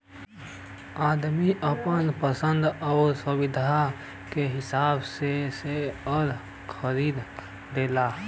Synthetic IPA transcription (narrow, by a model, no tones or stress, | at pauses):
aːd̪miʔəpənpəsənd̪ɔːʊɾsəbɪd̪ʱa | keɦɪsaːbseseəɾ | kʰəɾiːd̪ | d̪eːla